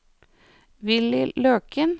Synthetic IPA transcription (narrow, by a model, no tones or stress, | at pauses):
ʋɪlɪløːkən